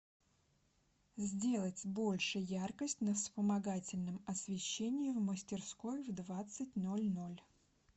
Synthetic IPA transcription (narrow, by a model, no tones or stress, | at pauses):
zʲdʲelˠətʲbo̞lʲʂɨjjarkəsʲtʲnəfspəmɐɡatʲɪlʲnɨmɐsʲvʲɪɕːenʲɪjɪvməsʲtʲɪrsko̞jvd̪vat̪sɨtʲno̞lʲno̞lʲ